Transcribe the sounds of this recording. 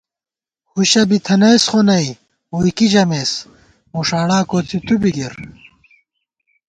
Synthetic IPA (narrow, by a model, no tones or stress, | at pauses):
huɕɐbit̪ʰɐnɐjsχonɐi | uikid͡ʑɐmeːs | muʂaːɽaːkot͡sit̪ubiɡiɾ